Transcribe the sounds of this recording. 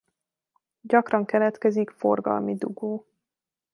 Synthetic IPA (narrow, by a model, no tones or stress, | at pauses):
ɟɒkrɒŋkɛlɛt̪kɛzikforɡɒ̰lmid̪uɡoː